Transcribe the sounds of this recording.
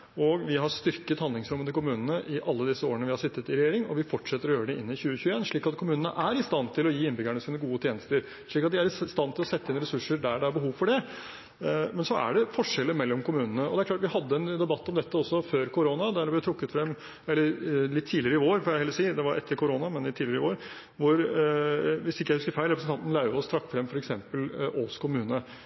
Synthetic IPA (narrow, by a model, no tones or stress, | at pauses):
ɔɡʋɪɦɑɾst̪ʏɾkət̪hɑnd̪lɪŋsɾʊmːət̪ɪlkʰʊmʉːnənəʔɪʔɑlːəd̪ɪsːəoːɾəɳəʋɪhɑʂɪt̪ːət̪ɪɾɛjeːɾɪŋɔ̰ʋɪfɔʈʂɛt̪ːəɾɔjøːɾəɖɛɪnːɪçʉːəçʉːəeːnʂɭiːkɑt̪kʰʊmʉːnənəʔæɾɪst̪ɑnt̪ʰɪlɔjiːɪnbʏɡæɳəsiːnəɡuːət̪ʰjeːnəst̪əɾ | ʂɭiːkɑt̪̚d̪ɪæɾɪst̪ɑnːt̪ʰɪlɔsɛt̪ːəɪnɾɛsʉʂːəɖæɖɛæɾbəɦuːʋfɔɖɛ | mɛnsɔæ̰ɖɛfɔʂɛlːəmɛlːɔmkʊmʉːnənəʔɔd̪ɛæɾklɑːʈ̪ʋɪhɑd̪ːəɛnd̪ɛbɑt̪ːɔmd̪ɛt̪ːəɔsːɔføːɾkʰʊɾoːnɑd̪æɖɛblɪt̪ʰɾʊkːət̪fɾɛmː | ɛlːəɾlɪt̪ʰːiːlɪɾəɪoːɾfɔɾjæhɛlːsiːd̪ɛʋɑɾʔɛ̰t̪ʰːəɾkʰʊɾoːnɑmɛnɪt̪ʰiːlɪɾəɪʋoːɾ | ʋʊɾ | ʋɪsɪkːjæhʉskəɾfæɪɾəpəsn̩t̪ɑnt̪n̩lɑɪʋɔst̪ʰɾɑkːfɾɛmːfɔɾɛksɛmpəloːskʰʊmʉːnə